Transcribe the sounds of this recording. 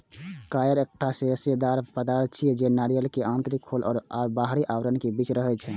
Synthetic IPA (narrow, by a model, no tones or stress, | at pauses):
kajəɾek̚ʈʰaseəsed̪aɾpɾəd̪aɾt͡ʃʰiɛd͡ʒenaɾijəlkeʔãnt̪ɾikʰːolʔɔːɾabaɦɽiʔawɾənkebit͡ʃɾəɦɛt͡ʃʰɛ